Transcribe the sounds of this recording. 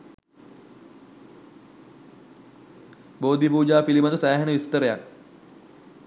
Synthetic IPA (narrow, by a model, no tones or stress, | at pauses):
boːd̪ipuːd͡ʒaːpilimət̪əsæːɦenəʋist̪əɾəjak̚